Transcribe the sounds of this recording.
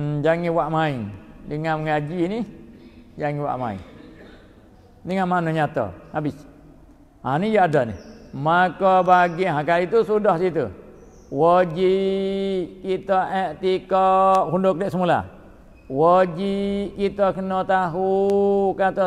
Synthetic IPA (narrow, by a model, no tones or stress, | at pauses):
d͡ʒaŋiwaʔmaiŋdəŋaməŋad͡ʒini | d͡ʒaŋiwa̰ʔma̰ḭŋ | diŋamanɔɲat̪ɔ̰habis | a̰nid͡ʒaʔadɔnḭmakɔbaɡiɦakait̪usudɔhsit̪ṵ | wɔd͡ʒiʔ | kit̪ɔʔɛʔt̪ikɔʔhundʊk̚liʔsəmula̰ | wɔd͡ʒiʔkit̪ɔkənɔt̪aɦukat̪ɔ